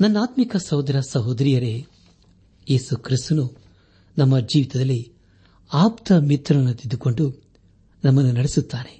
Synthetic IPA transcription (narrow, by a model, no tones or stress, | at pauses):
nɐnːaːt̪mikɐsɐɦod̪ɐɾɐsɐɦoːd̪ɾijɐɾe̞ | jeːsukʰɾist̪unu | nɐmːɐd͡ʒiːʋit̪ɐd̪ɐlːi | aːpt̪ɐmit̪ɾɐnɐnːut̪id̪uko̞ɳɖu | nɐmːɐnːunɐɽesut̪ːaːne̞̥